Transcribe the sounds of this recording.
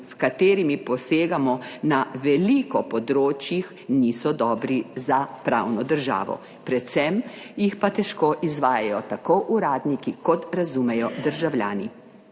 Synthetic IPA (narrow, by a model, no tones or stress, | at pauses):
skat̪eːɾimipɔseːɡamɔnaʋɛliːkɔpɔd̪ɾoːt͡ʃjix | niːsɔd̪ɔːbɾizapɾawnɔd̪əɾʒa̰ːʋɔ̰ | pɾɛt̪sɛm | jixpat̪ɛʃkoːʔizʋaːjajɔt̪akoːʔuɾaːd̪nikikʰɔt̪ɾazumɛjɔd̪əɾʒawlja̰ːni